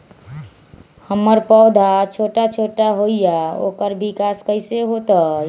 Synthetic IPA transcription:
həmːəɾpəwd̪ʱat͡ʃʰoʈat͡ʃʰoʈaɦoijao̰kəɾbʱikaskəɪseɦot̪ə

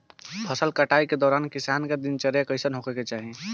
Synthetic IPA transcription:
pʰəsəlkəʈaiked̪ɔːɾankisanked̪int͡ʃəɾekəɪsənɦokeket͡ʃaɦi

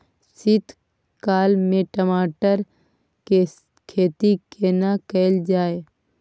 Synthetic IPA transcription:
sɪt̪ | kaːlmẽʈəmaːʈəɾ | ke | kʰeːt̪ikʰeːnakəɪld͡ʒaːe

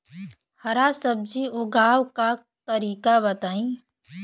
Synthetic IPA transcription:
həɾasəb̚d͡ʒiʊɡʱaːwka | t̪əɾiːkabət̪aːĩː

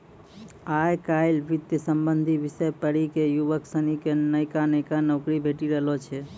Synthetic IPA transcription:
ajkaɪlbit̪jəsəmbənd̪ʱibisəjpəɽikejuʋəksənikenəjkanəɪkanəʊkɾibʱeʈiɾəɦlɔt͡ʃʰɛ

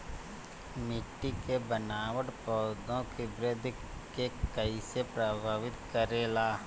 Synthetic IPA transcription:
mɪʈːikebənaːwəʈpɔːd̪õkibɾɪd̪ʱ | kekəisepɾəbʱaːʋɪt̪kəɾeːlaː

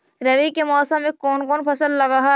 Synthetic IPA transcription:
ɾɐʋikemɔːsə̃mːẽkɔːnkɔːnpʰɐsəllːɐɡaɦa

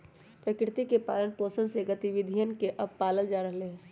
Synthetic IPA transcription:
pɾəkɪɾt̪ikepa̰ːlənpoːsənseɡɐt̪iʋɪd̪ʱijənkeʔɐbpaːləld͡ʒaːɾəɦleɦɛ̃ː

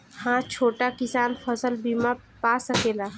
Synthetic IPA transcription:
hãt͡ʃʰoːʈakɪsaːnpʰəsəlbima | pasəkela

